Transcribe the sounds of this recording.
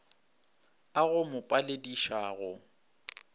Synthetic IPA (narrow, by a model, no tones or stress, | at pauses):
aɣʊmʊpʼalediʃaːɣʊ